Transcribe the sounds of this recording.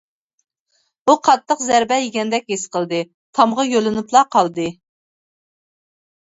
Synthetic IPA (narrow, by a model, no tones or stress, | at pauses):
buqʰɑt̪ʰːəqzæɾbɛjeɡʲɛnd̪ɛk̚ʲesqʰəlˠd̪ɨ | t̪ʰɑmʁɑjølɪnɨplˠɑqʰɑlˠd̪ɨ